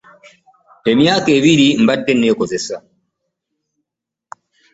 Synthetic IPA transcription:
tɛmijakɛwiɾimbadːɛnːɛːkɔzɛsa

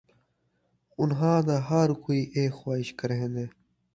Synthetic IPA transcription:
ʊnɦãːd̪aɦaɾkoːiʔeːkxwaːɪʃkɐɾɦẽːnd̪eː

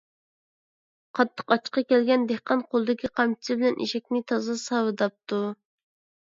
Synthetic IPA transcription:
qʰɑt̪ʰːə̥qɑt͡ʃqɑkʲɛlɡʲɛnd̪ɪhqɑnqʰolˠd̪ɪkʲiqʰɑmt͡ʃʰɪ̥sɪbɪlɛnʔḭʃɛkʲnɪt̪ʰɑzɑsɑwɨd̪ɑp̚t̪ʰu

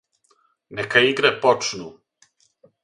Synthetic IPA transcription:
nekaiɡɾepot͡ʂnu

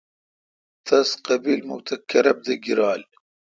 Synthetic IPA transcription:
t̪ʰɐsqɐbiːlmṵwt̪ʰɐkːɐɾɐb̚d̪ɐɡiɾaːl

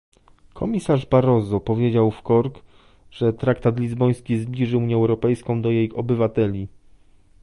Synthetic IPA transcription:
kʰɔmʲisaʐbaɾɔzɔpɔvʲjed͡ʑawfkɔɾk | ʐ̥ɛt̪ɾakt̪at̪lʲizbɔj̃skʲizblʲiʐɘuɲjɛɛwɾɔpɛjskɔ̃w̃d̪ɔjejɔbɘvat̪ɛlʲi

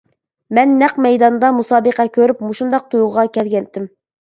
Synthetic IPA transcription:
mɛnːæqmɛjd̪ɑnd̪ɑmusɑːbəqækʲʰøɾypmuʃund̪ɑq̚t̪ʰujʁɑkʲɛlɡʲɛnt̪ːɪm

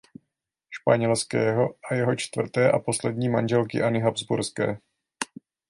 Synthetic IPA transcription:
ʃpaɲɛlskɛːɦo̞ʔajɛɦo̞t͡ʃt̪vr̩t̪ɛːʔa̰po̞slɛdɲiːmanʒɛlkɪʔanɪɦabzbuɾskɛ̰ː

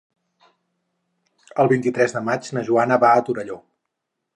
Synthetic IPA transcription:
əlˠβint̪it̪ɾɛzðəmad͡ʒnəʒuanəβaət̪uɾəʎo

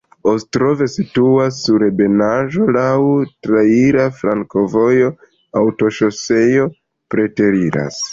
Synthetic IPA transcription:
ostɾo̞ve̞situasːuɾebe̞naʒo̞lawtɾaiɾafɾaŋko̞vo̞jo̞ | awto̞ʃo̞se̞jo̞ | pɾe̞te̞ɾiɾa̰s

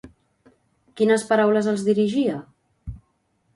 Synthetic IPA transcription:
kinəspəɾawləzəlˠzðiɾiʒiə

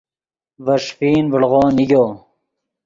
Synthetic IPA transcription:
vɐʂpiːnbəɽʁoːniɡʲoː

